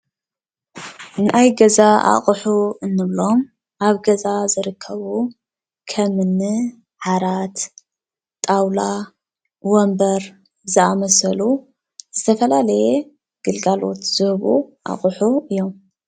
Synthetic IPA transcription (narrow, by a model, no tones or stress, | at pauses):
nʔajɡɐzaʔa̰χʼħuɨnːɨβlo̞m | ʔaβɡɐzazɨɾɨkʰːɐβu | kʰɐmɨnːɨ | ħaɾat̪ | t̪ʼawla | wombɐɾ | zɨamɐsɐlu | z̥ɨt̪ʰɐfɐlalɐje | ɡ̥ɨlɡalo̞̰t̪z̥ɨhβuʔa̰χʼħuɨjːo̞m